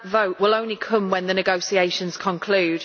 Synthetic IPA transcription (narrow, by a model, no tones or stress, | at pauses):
vəʊʔwɪlõʊ̃nlikʰʊ̃mwə̃nðənɪɡoʊsieɪʃə̃nz̥kʰə̃nkʰl̥ʉːd̥